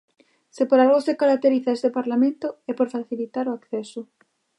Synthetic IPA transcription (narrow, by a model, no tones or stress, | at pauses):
sepoɾalɣosekaɾak̚t̪eɾiθaest̪epaɾlamẽnt̪ʊɛpoɾfaθilit̪aɾoakθɛsʊ